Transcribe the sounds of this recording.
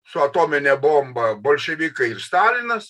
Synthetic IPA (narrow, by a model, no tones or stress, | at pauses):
sʊɐt̪oːmʲɪnʲɛbooːmbɐboːlʲʃʲɛʋʲiːkɐɪɪrst̪ɑːlʲɪnɐs